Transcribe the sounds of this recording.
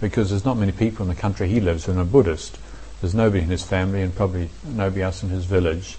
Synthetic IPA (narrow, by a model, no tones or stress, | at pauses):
b̥ɨkʰʌzðə˞znət̚mɛñipʰipl̩ˠə̃nðɨkʰʌ̃nt͡ʃɹ̥iilɪvzwɨ̃nəbʊɾɨst | ðəznoʊbɨɾiɨ̃nɨz̥fæ̃mliɨ̃npʰɹ̥ɑbəbli | noʊbɾiʌsn̩ɨzvɪlˠɪd̥ʒ̥